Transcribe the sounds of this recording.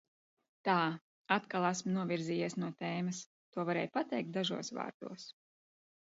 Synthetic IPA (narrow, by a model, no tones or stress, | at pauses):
t̪aː | at̪kalˠæsmnuɔvʲiɾziːjiɛsnuɔt̪ɛːmɐs | t̪uɔvaɾɛ̰ːjpat̪ɛjk̚t̪̚d̪aʒṵɔsva̰ːɾd̪̥ṵɔs